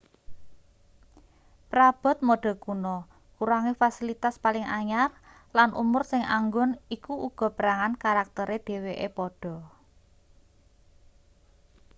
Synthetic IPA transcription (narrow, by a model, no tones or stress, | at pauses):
pɾab̥ɔ̤t̪̚moɖ̥ɔ̤kunɔ | kuɾaŋifasilit̪aspalɪŋaɲar | lanʔṵmʊrsɪŋa̰ŋɡʊnikuʔuɡ̥ɔ̤pəɾaŋankaɾak̚t̪əɾed̪̥e̤weʔepɔɖ̥ɔ̤